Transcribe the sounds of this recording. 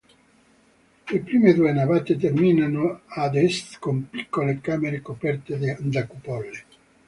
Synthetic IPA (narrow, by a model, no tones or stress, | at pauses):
epɾiːmed̪uenavat̪et̪ermiːnanoad̪ɛst̪kompi̥kːolekameɾekopɛrt̪ed̪nd̪akupɔlːe